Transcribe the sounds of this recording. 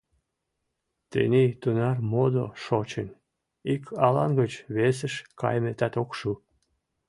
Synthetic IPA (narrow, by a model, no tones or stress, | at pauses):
t̪ḛnʲet̪unɑrmod̪oʃot͡ɕen | ikʰɑlɑnɡət͡ɕβes̬ə̆ʃkɑ̰jmet̪ɑt̪okʃu